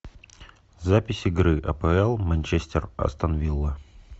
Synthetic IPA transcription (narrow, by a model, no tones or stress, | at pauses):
zapʲɪsʲɪɡɾɨʔɐpəɛlˠmənʲt͡ʃesʲtʲɪrɐ̰st̪ɐnɐvʲilˠːə